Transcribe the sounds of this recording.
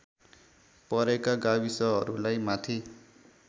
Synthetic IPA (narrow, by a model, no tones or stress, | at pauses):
pʌɾekaɡawisʌɦʌɾulajmat̪ʰi